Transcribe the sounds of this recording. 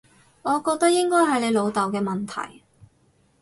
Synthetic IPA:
ŋɔː˨˧kɔː˧k̚t̪ɐ˥k̚jɪ˥ŋkɔː˥jɦɐ˨jne˨˧jlo˨˧wt̪ɐ˨wkɛː˧mɐ˨˩nt̪ʰɐ̰˨˩j

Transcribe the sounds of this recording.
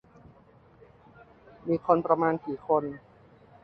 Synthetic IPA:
miː˧kʰo˧npɾa˧maː˧nkiː˨˩˦kʰo˧n

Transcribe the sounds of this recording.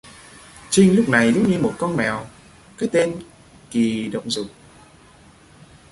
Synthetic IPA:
t͡ɕï˧ŋ̟lʊ˦˥k͡p̚na˨˩jzɨ˨˦ŋ͡mɲɨ˧mo˨˩t̚kɔ˧nmɛ˨˩w | kaː˨˦jt̪e˧n | ki˨˩ɗə̰˧˨wŋ͡mzʊ˨˩k͡p̚

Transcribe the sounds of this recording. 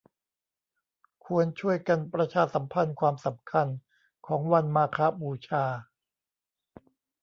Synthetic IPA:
kʰu˧ənt͡ɕʰu˥˩əjka˧npɾa˧t͡ɕʰaː˧sa˩˦mpʰa˧nkʰwaː˧msa˩˦mkʰa˧n | kʰɔː˩˦ŋwa˧nmaː˧kʰa˦˥buː˧t͡ɕʰaː˧

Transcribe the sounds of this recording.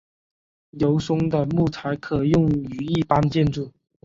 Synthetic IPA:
ljo˧˥ʊsʊ˥ŋd̪ə˨mu˥˩t͡sʰa˧˥ɪkʰɤ˨˩jʊ˥˩ŋy˨˦i˥˩pa˥nt͡ɕjɛ˥˧nʈ͡ʂu˥˩

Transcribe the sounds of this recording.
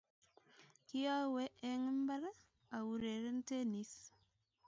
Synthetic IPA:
ki˦a˦we˦ʔe˦ŋə˦mba˦ɾa˦ | a˨wu˨ɾe˨ɾe˦n˦te˦ni˦s

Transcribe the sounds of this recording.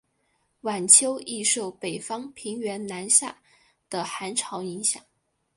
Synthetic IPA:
wa˨˩nt͡ɕʰjo˥ʊi˥˧ʂo˥˩ʊpe˨˩ɪfɑ˥ŋpʰi˧˥ŋɥɛ˧˥nna˧˥nɕja̰˥˩ | d̪̥ə˩xa˧˥nʈ͡ʂʰɑ˧˥ʊi˧˥ŋɕjɑ̰˨˩˦ŋ

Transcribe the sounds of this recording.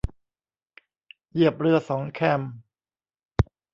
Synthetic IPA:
ji˥˩əp̚ɾɯ˥˩əsɔː˩˦ŋkʰɛ˥˩m

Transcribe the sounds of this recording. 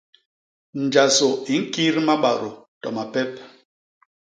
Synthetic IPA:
n̩˨d͡ʒa˨so˨i˨˦ŋ̩˦ki˦ɾma˦ɓa̰˨ɾo˨tɔ˨ma˨pɛ˦p̚

